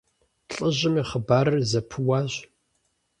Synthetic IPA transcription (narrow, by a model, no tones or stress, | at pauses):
ɬʼəʑɪmiːχəbaːɾɐrzɐpʰɨwaːʑ